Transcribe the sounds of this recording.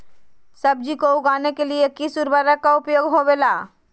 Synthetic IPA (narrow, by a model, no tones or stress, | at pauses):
səb̚d͡ʒikoʊɡaːnekeliekisuɾbəɾəkːaʊpjoːɡɦobeːlaː